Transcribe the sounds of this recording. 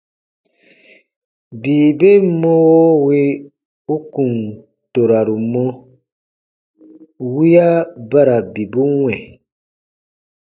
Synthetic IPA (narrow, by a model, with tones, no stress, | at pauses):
biː˨be˦mo˦wi˦ | u˦kũ˨n | to˨ɾa˨ɾu˨mɔ˦ | wi˦ja˦ba˦ɾa˨bi˨bu˦wɛ̃˨